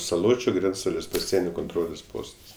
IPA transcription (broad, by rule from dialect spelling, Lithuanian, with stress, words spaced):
sɐˈlˠoːt͡ʃʲʊ ˈɡrʲɛnt͡stɐlʲeːs pɐˈsʲiɛnʲoː koːnˈtroːlʲeːs ˈpoːstɐs